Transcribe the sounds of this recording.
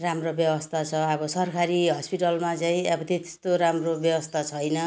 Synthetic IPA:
ramrobjʌbʌst̪ʰat͡sʰʌʌbʌsʌrkʰaɾiɦʌspiʈʌlmat͡saĩʌbʌt̪et̪e̥st̪oɾamrobjʌbʌst̪ʰat͡sʰʌjnʌ

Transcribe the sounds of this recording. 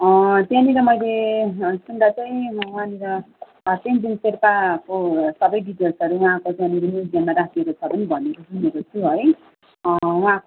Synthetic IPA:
ʌd̪janiɾʌmʌjlesuɳɖat͡saĩwãniɾʌ | t̪emd̪inseɾpakosʌbʌjɖiʈʌlsʌɾuwããkojãniɾinidijanmaɾakʰiekot͡sʰʌpʌnibʱʌnekosʰimeɾot͡sʰuɦʌj | wuã

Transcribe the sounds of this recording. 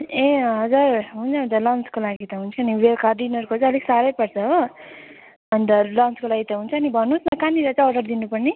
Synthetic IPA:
ẽɦʌd͡zarɦunt͡sʰʌɦunt̪ʌlʌnt͡skolaɡit̪ʌɦunt͡sʰʌːniwelkarɖinʌrkot͡sãʌleksaɾʌjpʌrt͡sʰʌɦo | bʱʌnt̪ʌlʌnt͡skolaɡit̪ʌɦunt͡sʰʌːnibʱʌnːusnʌkaniɾʌt͡saʌɖʌrd̪inupʌrni

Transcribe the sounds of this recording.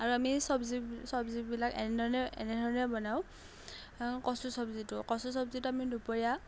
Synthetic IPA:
aɹuamisɔbzisɔbzibilakɛnɛdʱɔɹɔnɛɛ̰nɛdʱɔɹɔnɛbɔnaʊ̃ | kɔsusɔbzitʊkɔsusɔbzitʊamidupɔɹija

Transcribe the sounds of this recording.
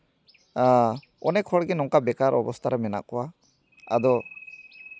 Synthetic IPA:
a | ɔ̰nɛkʰɔɽɡɛnɔŋkabɛkaɾɔ̰bɔst̪ʰaɾɛmɛna̰ʔkɔwa | a̰d̪ɔ

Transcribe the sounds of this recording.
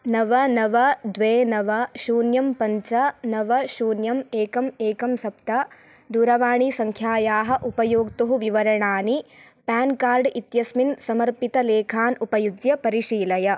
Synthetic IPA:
nɐʋɐnɐʋɐd̪ʋeːnɐʋɐʃuːnjɐmpɐɲt͡ʃɐnɐʋɐʃuːnjɐmeːkɐmeːkɐmsɐpt̪ɐ | d̪uːɾɐʋaːɳisɐŋkʰjaːjaːɦɐ̆ʔupɐjoːɡt̪uɦuʋiʋɐɾɐɳaːni | paːnkaːɾɖʔit̪jɐsminsɐmɐɾpit̪ɐleːkʰaːnupɐjud͡ʒjɐpɐɾiʂiːlɐjɐ

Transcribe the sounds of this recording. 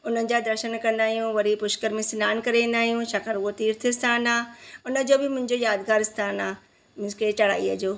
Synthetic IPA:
ʊnənɪ̆d͡ʑaːd̪ɐɾʃənkɐ̃nd̪aːɦijũʋɐɾipʊʃkəɾmẽsɪnaːnkɐɾeʋẽːn̆d̪aːɦijũʃakaɾuot̪iːɾt̪ʰɪɪst̪ʰaːnaːʊnə̆d͡ʑoːbɪmʊ̃ɦɪ̃ɲd͡ʑoːjaːd̪ɡaːɾɪst̪ʰaːnaː | mɪsket͡ɕɐɽa̰ːiːəd͡ʑoː

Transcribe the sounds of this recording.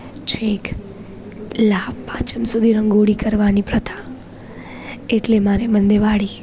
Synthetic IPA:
t͡ʃʰek | labpãt͡ʃəmsud̪ʱiɾəŋɡoɽikəɾʋanipɾət̪ʰã | eʈlemaɾemənd̪eʋaɽi

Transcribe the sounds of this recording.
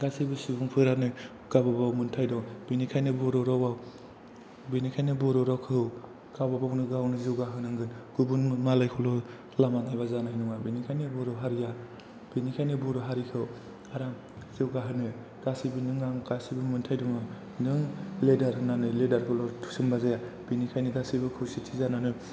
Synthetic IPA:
ɡasibɯsubuŋpʰɯɾanɯj | ɡ̥ababawmɯntʰajdɔŋb̥inikʰajnɯbɔɾɔɾɔwaw | binikʰajnɯbɔɾɔɾɔkʰɯw | ɡ̥awbabawnɯɡawnɯzewɡaɦɯnɯŋɡɯnɡ̥ubunmalajkʰɔlɔ | lamanajbazanajnɔŋabinikʰajnɯbɔɾɔɦaɾija | b̥inikʰajnɯbɔɾɔɦaɾikʰɯw | aɾaŋ | ziwɡaɦɯnɯ | ɡ̥asibinɯŋːaŋkasibɯmɯntʰajduŋa | nɯŋledaɾɯnanɯledaɾkʰɯlɔtʰu̥sɯmbazajab̥inikʰajnɯɡasibɯkʰɯwsitʰizananɯ

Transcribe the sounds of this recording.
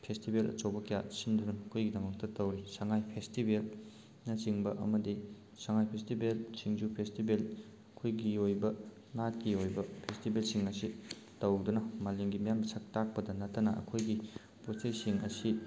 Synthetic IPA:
pʰestibelʔɐ̰t͡ʃowbɐkijasindunɐːkʰojɡidɐmɐk̚tɐtɐwɾisɐŋajpʰestibel | nɐt͡ʃiŋbɐʔɐ̰mɐdi | sɐŋajpʰestibelsiŋzupʰestibel | ɐkʰojɡiojbɐ | ŋat̚kiojbɐpʰestibelsiŋɐsi | tɐwdunɐmaleŋɡimijamsʰɐk̚tak̚pɐdɐnɐtːɐnɐʔɐ̰kʰojɡi | pot͡ʃejsiŋɐ̰si

